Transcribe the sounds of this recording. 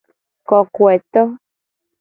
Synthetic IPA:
kɔ˨kwe˨t̪ɔ˦

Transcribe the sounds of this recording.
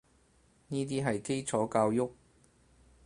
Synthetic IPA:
niː˥t̪̬iː˥ɦɐ˨jke˥jt͡sʰɔː˨˥kaː˧wjʊ˥k̚

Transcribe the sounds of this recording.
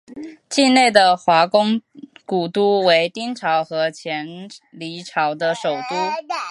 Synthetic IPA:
t͡ɕi˥˧ne˥˩ɪd̪ə˩xwa˧˥kʊ˥ŋku˨˩t̪u˥we˧˥ɪt̪i˥nʈ͡ʂʰɑ˧˥ʊxɤ˧˥t͡ɕʰjɛ˧˥nli˧˥ʈ͡ʂʰɑ˧˥ʊd̪ə˧ʂo˨˩ʊt̪u˥

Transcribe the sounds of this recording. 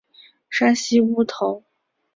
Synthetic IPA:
ʂa˥nɕi˥u˥t̪ʰo˧˥ʊ

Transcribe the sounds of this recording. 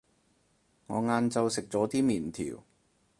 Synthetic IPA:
ŋɔ̰ː˨˧ŋaː˧nt͡sɐ˧wsɪ˨k̚t͡sɔː˨˥t̪iː˥miː˨˩nt̪ʰḭː˨˩w

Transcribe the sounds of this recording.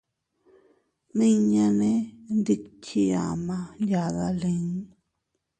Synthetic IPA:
nĩ˦ɲã˧nẽ˦nd̪i˦kʰi˦˧a̰˨mã˧nja˨ða˧lẽ˧ɲ˦

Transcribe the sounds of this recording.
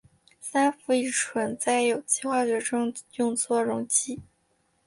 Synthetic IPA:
sa˥nfu˥˩˧i˥˩ʈ͡ʂʰwə˧˥nt͡sa˥˩ɪjo˨˩ʊt͡ɕʰi˥xwa˥˩ʊɕɥɛ˧˥ʈ͡ʂʊ˥ŋjʊ˥˧ŋt͡sʰwɔ˥˩ɻʊ˧˥ŋt͡ɕi˥˩

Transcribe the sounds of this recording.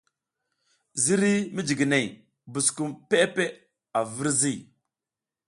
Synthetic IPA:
zi˦ɾi˦mi˦d͡ʒi˨ɡi˨ne˨j | bu˨sku˦˨mpe˦pe˦ | a˨vi˦ɾzi˦˨

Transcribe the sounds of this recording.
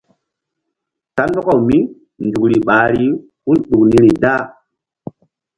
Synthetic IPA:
ta˦ndɔ˦ko˨wmi˦ | ndu˨kɾi˨ɓa˨ɾi˦ | hu˦nɗu˨kni˦ɾi˨da˦˨

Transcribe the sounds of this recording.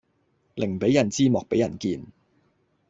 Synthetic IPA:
lɪ˨˩ŋ˨pe˨˥jɐ˨˩nt͡siː˥mɔː˨k̚pe˨˥jɐ˨˩nkiː˧n

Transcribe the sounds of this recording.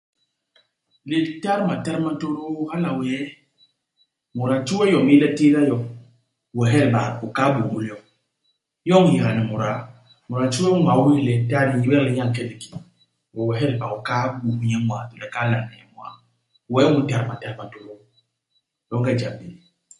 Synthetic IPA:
li˨ta˦ɾma˨ta˦ɾma˦to˦ɾo˦ha˦la˨wɛ˨˦ | mu˨ɾa˨t͡ʃu˦wɛ˦jɔ˨mi˦lɛ˦ti˦ɾa˦jɔ˨ŋ | wɛ˨ɦɛ˦ɾba˨o˨ka˦bu˨mu˦li˦ɔ˦ŋ | jɔ˦ŋ˦ji˨ɾa˨ni˨mu˨ɾa˨ | mu˨ɾa˨t͡ʃu˦ɛ˦a˨˦i˦˨lɛ˨ta˦ni˨ji˦wɛ˦li˦ɲa˦ŋ˨kɛ˦li˨ki̥˨ | wɛ˨wɛ˨ɦɛ˦ɾi˨pa˨o˨ka˦bu˨mu˦ɲɛ˦mwa̰˨tu˨lɛ˨˦kaː˦la˨nɛ˨ɛ˨˦mwa̰˨ | wɛ˨˦mu˦ta˨˦ɾma˨ta˦ɾma˨to˦ɾo˦ | jɔ˦ŋ˦ɡa˦d͡ʒa˨bi˨

